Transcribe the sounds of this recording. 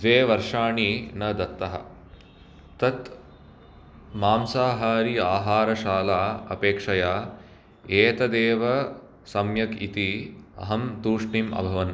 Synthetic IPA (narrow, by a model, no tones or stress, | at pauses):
d̪ʋeːʋɐɾʂaːɳinɐd̪ɐt̪ːɐɦɐ̰ | t̪ɐt̪ | maːmsaːɦaːɾiaːɦaːɾɐʃaːlaːɐ̰peːkʂɐjaː | eːt̪ɐd̪eːʋɐ | sɐmjɐkḭt̪iɐ̰ɦɐmt̪uːʂɳimɐ̰bʱɐʋɐn